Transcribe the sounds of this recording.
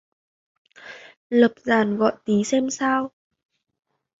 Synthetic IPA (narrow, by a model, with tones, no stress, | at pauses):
ləː˨˩p̚zaː˨˩nɣɔ̰˧˨jt̪i˨˦sɛ˧msaː˧w